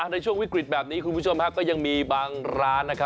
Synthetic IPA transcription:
ʔa˨˩na˧jt͡ɕʰu˥˩əŋwi˦˥kɾi˨˩t̪̚bɛː˨˩p̚niː˦˥kʰu˧npʰu˥˩t͡ɕʰo˧mkʰa˦˥kɔː˥˩ja˧ŋmiː˧baː˧ŋɾaː˦˥nːa˦˥kʰa˦˥

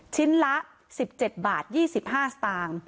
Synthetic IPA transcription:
t͡ɕʰi˦˥nla˦˥ʔ | si˨˩p̚t͡ɕe˨˩t̪̚baː˨˩t̪̚jiː˥˩si˨˩p̚haː˥˩st̪aː˧ŋ

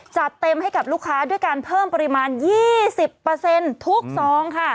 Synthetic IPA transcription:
t͡ɕa˨˩t̪ːe˧mha˥˩jka˨˩p̚luː˥˩kʰːaː˦˥du˥˩əjkaː˧npʰɤː˥˩mpa˧ɾi˧maː˧njiː˥˩si˨˩pːɤː˧se˧nt̪ʰu˦˥k̚sɔː˩˦˥ŋkʰa˥˩

